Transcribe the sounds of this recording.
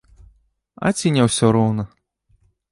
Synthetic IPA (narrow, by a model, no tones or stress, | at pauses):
a̰t͡sʲinʲɛwsʲɔɾɔwnɐ